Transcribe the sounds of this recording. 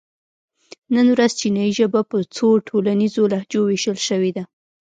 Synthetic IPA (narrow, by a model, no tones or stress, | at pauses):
nənwɾazt͡ʃinajiʒəbapət͡soʈʰolanizolahd͡ʒoweʃəlʃəwed̪a